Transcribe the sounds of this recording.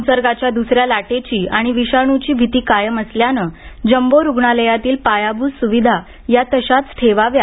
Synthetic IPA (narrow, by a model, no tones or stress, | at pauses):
unsəɾɡat͡ɕjad̪usɾjalaʈet͡ɕiːʔaɽ̃iʋiɕaɽ̃ut͡ɕiːbʱit̪iːkajəməsljanəd͡ʑəmboɾuɡɳaləjat̪iːlpajabʱusuʋid̪ʱa | jat̪əɕat͡s̪ʈʰeʋaʋja